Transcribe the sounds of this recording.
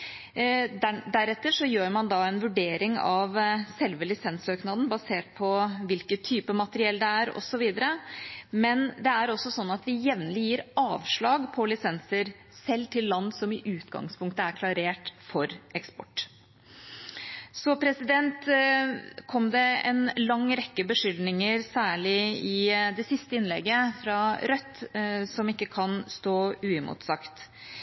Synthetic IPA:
d̪æɾɛt̪ːəʂɔjøːɾmɑnd̪ɑɛnʋʉɖeːɾɪŋɑʋsɛlʋəlɪsɛnsøːknɑːd̪n̩bɑseːʈ̚pʰɔʋɪlkət̪ʰːyːpəmɑt̪əɾɪɛld̪ɛæɾɔ̰sɔʋiːd̪əɾəmɛnd̪ɛæɾɔsːɔsɔnːɑt̪ʋɪjɛʋnəlɪjiːɾɑːʋʂɭɑːɡpʰɔlɪsɛnsəɾ | sɛlːt̪ʰɪlːɑnːsɔmɪʔʉːt̪ɡɑ̰ŋspʰʊŋkt̪əæɾkʰlɑɾeːʈfɔɾʔɛkspɔ̰ʈː | sɔpʰɾɛsɪd̪ɛnt̪ | kʰɔmd̪ɛɛ̰nlɑŋːɾɛkːəbəʂʏld̪nɪŋəɾsæːɭɪɪd̪ɛsɪst̪əɪnlɛ̰ɡəfɾɑɾœt̪ːsɔmɪkːəkʰɑnst̪oːʉːɪmʊ̰t̪sɑkt̪

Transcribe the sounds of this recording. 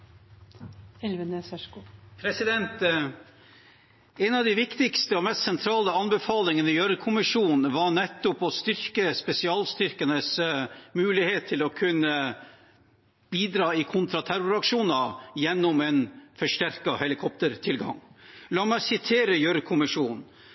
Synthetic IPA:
ʋn | pʰɾɛsɪd̪ɛnt̪ | ɛnɑʋd̪ɪʋɪkt̪ɪkst̪əɔmɛst̪sɛnt̪ʰɾɑːləɑnbəfɑːlɪŋənəjœɾkʰʊmɪʂuːnʋɑɳɛt̪ːʊpɔst̪ʏɾkəspɛsɪɑːlst̪ʏɾkənəsmʉːlɪheːt̪ʰːɪlɔkʰʉnːə | b̥iːd̪ɾɑːɪkʰʊnt̪ʰɾɑt̪ʰæɾʊɾɑkʂuːnɑjɛnːɔmɛnfɔʂʈæɾkɑhɛlɪkʰɔpt̪əɾt̪ʰɪlɡɑ̰ŋlɑːmæɪsɪt̪ʰeːɾəjœɾkʰʊmɪʂuːn

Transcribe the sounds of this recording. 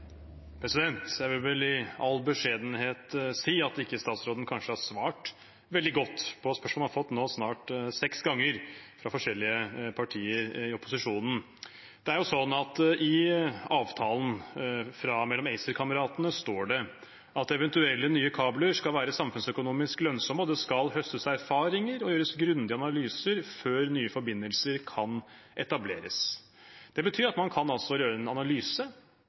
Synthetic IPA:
pʰɾɛsɪd̪ɛnt̪jæɪʋɪlʋɛlɪɑlbəʂeːd̪ən̩heːt̪siːɑt̪ɪkːəst̪ɑːt̪sɾoːd̪n̩kʰɑnʂəhɑɾsʋɑːʈ | ʋɛld̪ɪɡɔt̪ːpʰɔspœʂmɔhɑfɔt̪ːnoːsnɑːʈsɛksɡɑŋːəɾfɾɑfɔʂɛlːɪəpʰɑʈʰiːəɾɪɔpʊsɪʂuːnn̩ | d̪̥ɛæɾjʊsɔnːɑt̪ɪɑːʋt̪ʰɑːln̩fɾɑmɛlːɔmɛɪsəɾkʰɑməɾɑːt̪ənəst̪oːɖɛ | ʔɑt̪ɛʋɛnt̪ʉɛlːənyːəkʰɑːbləʂkɑlʋæːɾəsɑmfʉnsœkʊnuːmɪsklœnsɔməɔd̪ɛskɑlhœst̪əsæɾfɑːɾɪŋəɾɔjøːɾəsɡɾʉnd̪ɪəɑnɑlyːsəɾføːɾnyːəfɔɾbɪnːəlsəɾkʰɑn | ʔɛt̪ɑblḛːɾə̰s | d̪̥ɛbət̪ʰyːɾɑt̪mɑnkʰɑnɑlsɔjøːɾəɛnɑnɑlyːsə

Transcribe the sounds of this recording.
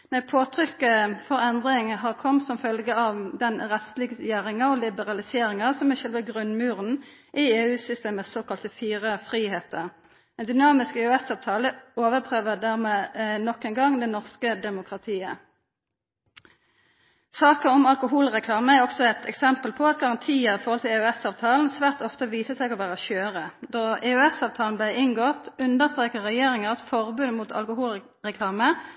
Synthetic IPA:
nɛpʰoːt̪ʰʁʏkːəfɔʁɛnd̪ʁɪŋɦɑːʁkʰɔmt̪sɔmfœlɡəɑʋd̪ɛnʁɛt̪slɪɡjæːʁɪŋɑɔlɪbəʁɑlɪseːʁɪŋɑsɔmæʃɛlʋəɡʁʉnmʉːʁən | ʔɪeːʉːsʏst̪eːmət̪soːkɑlt̪əfiːʁəfʁiːheːt̪ʰəʁ | ɛnd̪ʏnɑːmɪskeøɛsɑːʋt̪ʰɑːləoːʋəʁpʰʁøːʋəd̪æʁmeːnɔkːɛnɡɑŋd̪ɛnɔʁskəd̪ɛmʊkʁɑt̪ʰiːə̰ | sɑːkəɔmɑlkʊɦuːlʁɛkʰlɑːməæʁɔksɔɛt̪ʰɛ̰ksɛmpəlpʰɔɑt̪ɡɑʁɑnt̪ʰiːəɾɪfɔɾhɔlt̪ʰɪlœɛsɑːʋt̪ʰɑːln̩sʋæːʁt̪ɔft̪əʋiːsəsɛɡɔʋæːʁəʃøːʁəd̪ɔɛʉɛsɑːʋt̪ʰɑːln̩blæɪʔɪŋɡɔt̪ʉnd̪əʁst̪ʁeːkəʁːɛjeːʁɪŋəʁt̪fɔʁbʉnmuːt̪ʰɑ̰lkʊhuːl | ʁɛkʰlɑːmə

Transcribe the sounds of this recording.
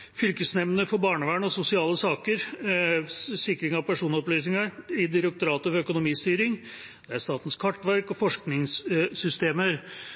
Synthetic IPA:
fʏlkəsnɛmnəfɔɾbɑːɳəʋæːɳɔsʊsɪɑːləsɑːkəɾ | sɪkɾɪŋɑʋpʰæʂuːnɔplyːsnɪŋɑɾɪd̪ɪɾək̚t̪ʊɾɑːt̪əfɾœkʊnʊmiːst̪yːɾɪŋ | d̪ɛæɾst̪ɑːt̪n̩skʰɑʈːʋæɾkɔfɔʂknɪŋssʏst̪eːməɾ

